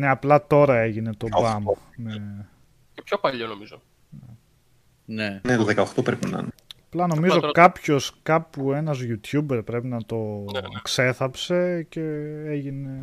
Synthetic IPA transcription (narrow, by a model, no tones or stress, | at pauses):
neɐplɐt̪o̞ɾɐe̞ʝine̞t̪o̞bɐm | me | cepçopɐʎonomizo | ne | nenet̪oðekɐoxt̪opɾepinɐ̰nɐplɐno̞mizo̞kɐpço̞skɐpue̞nɐzʝut̪çube̞ɾpɾe̞pinɐt̪o̞kse̞θɐpse̞ce̞eʝine̞